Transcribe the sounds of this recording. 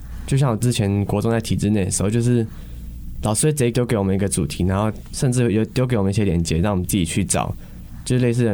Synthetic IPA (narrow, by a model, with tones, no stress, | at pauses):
t͡ɕjo˥˧ʊɕjɑ˥˩ŋwɔ˨˩t͡sɹ̩˥˧t͡ɕʰjɛ˧˦nkwɔ˧˥t͡sŋt͡sa˥˩ɪt̪ʰi˨˩ʈ͡ʂɻ̩˥˧ne˥˩d̪ə˩ʂ̩ɻ̩˧˥˧t͡ɕjo˥˧ʊʂ̬ɻ̩˥˩ | lɑ˨ʊʂ̩˥we˥˩t͡se˧˥ɪ˥t̪jo˥ʊke˧˥ɪwɔ˨˩mə˦ni˧˥ɡə˧t͡su˨˩t̪ʰi˧˥na˧˥nxo˥˧ʊ | ʂə˥˧nʈ͡ʂɻ̩˥˧˥jo˥˩t̪jo˥k̬wmə˦ni˥˧ɕjɛ˥ljɛ˧˥nt͡ɕjɛ˧˦ɻɑ˥˩ŋwmə˦t͡s̩˥˩t͡ɕi˨˩t͡ɕʰy˥˩ʈ͡ʂɑ̰˨˩˦ʊ | t͡ɕjo˥˧ʊʂ̩˥le˥˧ɪsɹ̩˥˩˧